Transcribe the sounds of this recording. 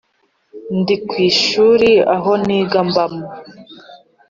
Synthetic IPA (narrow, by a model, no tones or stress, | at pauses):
ndikwiːʃuːɾia̰ɦo̞niːɡambamo